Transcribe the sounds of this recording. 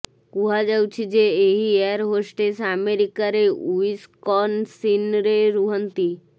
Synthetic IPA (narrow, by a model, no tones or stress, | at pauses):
kuɦad͡ʒawt͡ʃʰid͡ʒeːɦieɾɦosʈesameɾikaɾeuiskɔnsinɾeɾuɦənt̪i